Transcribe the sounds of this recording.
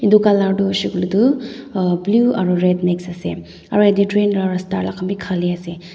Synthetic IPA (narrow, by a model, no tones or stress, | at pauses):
indukalaɾdusiɡludu | blua̰ɾuɾedneksɐsḛ | ɐɾedidɾenɾaɾastaɾlakʰambikʰaliase